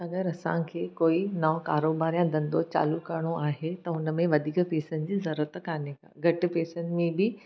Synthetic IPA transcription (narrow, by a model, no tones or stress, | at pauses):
ɐɡəɾɐsã̰kʰeːkoːinɐʋ̃kaːɾoːbaːɾijãd̪ɐ̃nd̪ot͡ɕa̰ːlukɐɾɽ̃oaːɦet̪ɐʊnəmẽʋɐd̪ʱiːkpeːsənɪ̆d͡ʑiːzɐɾuːət̪kaːneka̰ːɡʱɐʈɪ̆peːsənɪ̆mẽbɪ